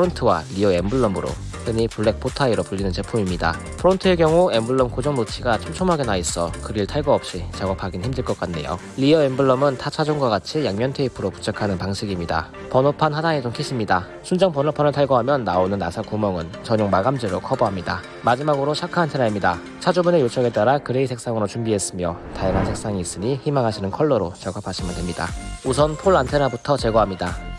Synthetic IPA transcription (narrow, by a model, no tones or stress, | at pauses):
pʰɯɾontʰɯwaʎiʌembuɭːʌmɯɾo̰ | sʰeɲipuɭːe̞k̚pʰotʰaiɾopuʎːinɯnt͡ɕe̞pʰumimɲida̰ | pʰɯɾontʰɯe̞kjʌŋuembuɭːʌmkod͡ʑʌŋnot͡ɕʰiɡat͡ɕʰomt͡ɕʰomɦaɡe̞nais͈ʌkɯɾiɭtʰaɭɡʌʌp̚ɕ͈it͡ɕaɡʌpʰaɡinçimdɯɭk͈ʌk͈anːe̞̰jo̰ | ʎiʌembɯɭːʌmɯntʰat͡ɕʰad͡ʑoŋɡwaɡat͡ɕʰijaŋɲʌntʰe̞ipʰɯɾopu̥t͡ɕʰakʰanɯnpaŋɕʰiɡimɲida̰ | pʌnopʰanhadaŋed͡ʑoŋkʰiɕʰimɲida | sʰund͡ʑʌŋpʌnopʰanɯɭtʰaɭɡoɦamjʌnːaonɯnːasʰakumʌŋɯnt͡ɕʌɲoŋmaɡamd͡ʑiɾokʰʌboɦamɲida̰ | mad͡ʑimaɡɯɾoɕʰakʰaantʰe̞naimɲida | t͡ɕʰad͡ʑumunejot͡ɕʰʌɡe̞t͈aɾakɯɾe̞isʰe̞k̚s͈aŋɯɾot͡ɕumbiɦe̞s͈ɯmjʌtajaŋɦansʰe̞k̚s͈aŋiːs͈ɯɲiçimaŋɦaɕʰinɯnkʰʌɭːʌɾot͡ɕʌɡapʰaɕʰimɯntwe̞mɲida̰us̬ʰʌnpʰoɭantʰe̞nabutʰʌt͡ɕe̞ɡʌɦamɲida